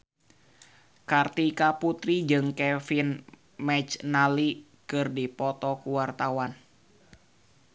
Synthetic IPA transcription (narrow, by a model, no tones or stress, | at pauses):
kart̪ikaput̪ɾid͡ʒɨŋkɛfin | mɛt͡ʃnali | kɨrdipɔt̪ɔkuwart̪awan